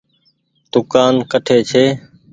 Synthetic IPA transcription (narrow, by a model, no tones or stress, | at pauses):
d̪̥ʊkaːnkəʈʰeːt͡ʃʰeː